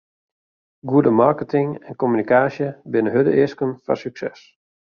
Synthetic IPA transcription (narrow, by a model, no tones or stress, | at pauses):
ɡuədəmarkətʰɪŋɛnkomynikaːsjəbɪnəɦødə̰ʔɪskənfa̰syksɛs